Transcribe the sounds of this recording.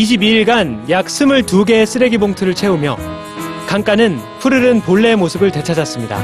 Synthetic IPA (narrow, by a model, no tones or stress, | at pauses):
iɕ̬ʰibiiɭɡanjak̚s͈ʰɯmɯɭtuɡe̞s͈ɯɾe̞ɡiboŋtʰɯɾɯɭt͡ɕʰe̞umjʌ̰ | kaŋk͈anɯnpʰɯɾɯɾɯnpoɭːe̞mosʰɯbɯɭte̞t͡ɕʰad͡ʑas͈ɯmɲida̰